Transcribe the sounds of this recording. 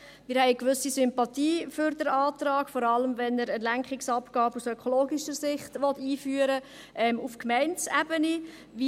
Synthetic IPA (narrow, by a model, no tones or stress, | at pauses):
mɪːɾhɛɪkʋʏsisʏmpɑt̪iːfʏɾdəɾɑːtɾɑːkfɔɾɑləmvɛnəɾəlæŋkχɪksɑpɡ̥ɑːbusœkʰɔloːɡiʃəɾsɪχtʋɔtiːfyːəɾə | ʔɛːmufkmɛɪnt͡sæbəni | vi